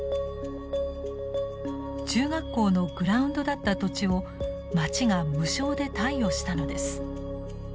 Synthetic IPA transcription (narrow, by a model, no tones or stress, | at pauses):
t͡ɕɨːɡakːo̞ːno̞ɡɯ̟ɾaɯ̟̃nd̪o̞d̪at̪ːat̪o̞t͡ɕio̞ | mat͡ɕiŋamɯ̟ɕo̞ːd̪e̞t̪aijo̞ɕi̥t̪ano̞d̪e̞sɨ̥